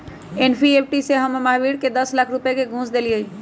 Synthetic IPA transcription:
enpʰiep̚ʰʈiseɦəmmaɦbiɽked̪əslakʰɾupjekeɡʱũsd̪eliəi

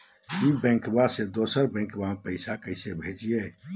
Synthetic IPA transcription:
jibɛ̃ŋkbased̪osəɾbɛ̃ŋkbapəɪsakəɪsebʱed͡ʒie

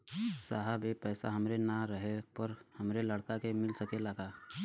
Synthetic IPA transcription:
saːɦəbepɛːsa̰ɦɐmɾenaɾəɦepəɾhɐmɾelɐɽkakemɪlsəkeləɡaː

